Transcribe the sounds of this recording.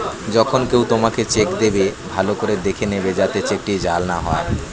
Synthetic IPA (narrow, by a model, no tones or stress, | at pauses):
d͡ʑɔkʰonkewt̪omaket͡ɕekd̪ebebʱalokoɾed̪ekʰenebed͡ʑat̪et͡ɕek̚ʈid͡ʑalnaɦɔe